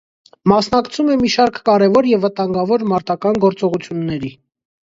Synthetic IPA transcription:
mɑsnɑkt͡sʰumɛmiʃɑɾkːɑɾɛvɔɾjɛvːət̪ɑŋɡɑvɔɾmɑɾt̪ɑkɑnɡɔɾt͡sɔʁut͡sʰjunːɛɾi

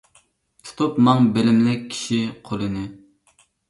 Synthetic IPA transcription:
tʰt̪ʰopmɑŋbelɪmlɛkʲʰi̥ʃiqʰolˠɨnɨ

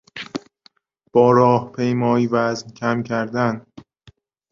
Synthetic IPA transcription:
b̥ɒːɾɒːhpʰe̞jmɒːiːvæzmcʰæmcʰæɾd̪æn

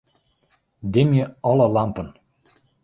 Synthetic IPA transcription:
d̪emjeɤlɤ̆lɑmpɤ̆n

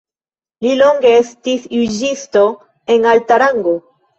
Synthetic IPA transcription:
lilo̞ŋɡe̞estisjud͡ʒisto̞ | e̞naltaɾaŋɡo

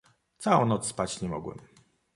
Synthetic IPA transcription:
t̪sawɔ̃w̃nɔt̪sspat͡ɕɲɛmɔ̰ɡwɛ̰m

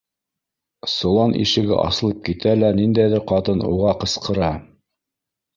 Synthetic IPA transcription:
sŏlˠɑnʔḭʃɘ̆ɡɘ̰ʔɑ̰sɤ̆lˠɤp̚kit̪ælænind̪æjðɘɾqɑt̪ɤnṵʁɑqɤ̆sqɤ̆ɾɑ

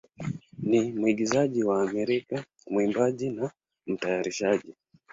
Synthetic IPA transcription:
nimwiɡizaʄiwaːmɛɾika | mwimbaʄina | m̩tajaɾiʃaʄi

